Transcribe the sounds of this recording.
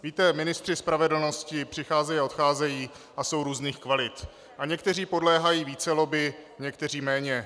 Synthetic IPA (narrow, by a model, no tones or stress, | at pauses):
viːt̪ɛmɪnɪst̪r̥ɪspɾavɛdl̩no̞scɪpr̝̥ɪxaːzɛjiaʔo̞t̪xaːzɛjiː | ʔaso̞wɾuːzniːxkvalɪt̪ | ʔaɲɛkt̪ɛriːpo̞dlɛːɦajiːviːt͡sɛlo̞bɪɲɛkt̪ɛr̝iːmɛːɲɛ